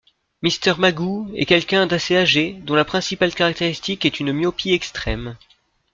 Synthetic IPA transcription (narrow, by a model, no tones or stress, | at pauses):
mist̪ɛʁmaɡuɛ̰kʲɛlkʲɛ̃d̪aseaʒed̪ɔ̃lapχɛ̃sipalkaʁak̚t̪eʁist̪ikɛt̪ynmjɔpiɛkst̪χɛm